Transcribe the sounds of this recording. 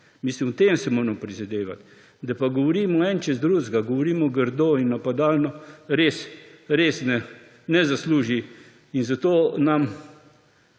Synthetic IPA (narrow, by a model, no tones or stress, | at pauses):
mislimɔt̪emsɛmoːɾɛmɔpɾizad̪eːʋa̰t̪ | d̪apaɡɔʋɔɾiːmɔɛnt͡ʃɛzd̪ɾuzɡaɡɔʋɔɾiːmɔɡəɾd̪oinːapad̪aːlnɔɾesɾesnɛ | nɛzasluːʒi | inzat̪oːnam